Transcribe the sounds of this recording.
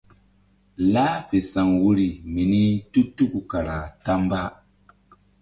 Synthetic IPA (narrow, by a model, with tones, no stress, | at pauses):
la˦fe˨sa˨ŋwu˦ɾi˨mi˨ni˦tu˦tu˦ku˨ka˨ɾa˨ta˦mba˦